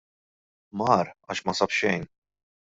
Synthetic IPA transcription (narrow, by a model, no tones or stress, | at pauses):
mɐɾɐːʃmɐsɐpʃɛjn